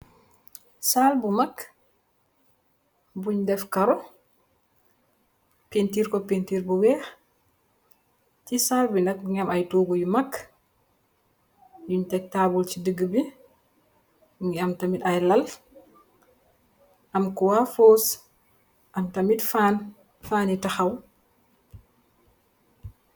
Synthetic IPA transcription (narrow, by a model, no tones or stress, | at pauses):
salbumak | buɲdɛfkaɾɔ | pentiɾkɔpentiɾbuwɛːx | tisalbinak̚ɲamajtoːɡujumakː | juɲtɛk̚tabult͡ʃidəɡəbi | ŋɡɛamtamitajlal | ʔamkuwafoːs | ʔamtamitfan | faːnitaxaw